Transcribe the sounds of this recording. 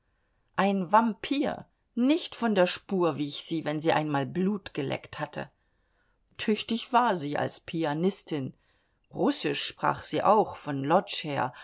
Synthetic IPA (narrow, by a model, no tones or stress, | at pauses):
ʔaɪnvampʰiːɐ | nɪçtfɔndeːɐʃpuːɐviːɪçz̥iːvɛnziːʔa̰ɪnmaːlbluːtɡ̥əlʔɛ̰kthatʰə̰ | tʰʏçtɪçv̥aːɐziːʔa̰lspʰianɪstʰɪn | ʁʊsɪʃːpʁ̥a̰ːχz̥iːʔa̰ʊxfɔnlɔt͡ʃheːɐ